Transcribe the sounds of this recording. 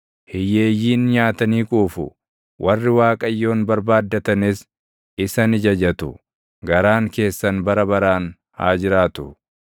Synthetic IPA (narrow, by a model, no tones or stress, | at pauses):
hɪjːeːjːiːnɲaːt̪ɐniːkʼuːfʊ̰ | wʔɐrːɪwaːkʼɐjːo̞ːnbɐɾbaːd̪ːɐt̪ɐnɪs | ɪsɐnɪd͡ʒɐd͡ʒɐt̪ʊ̰ | ɡɐɾaːŋke̞ːsːɐnbɐɾɐbɐɾaːn | ha̰ːd͡ʒɪɾaːt̪ʊ